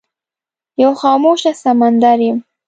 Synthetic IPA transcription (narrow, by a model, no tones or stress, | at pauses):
jawxɑːmoʃasamand̪aɾjɪm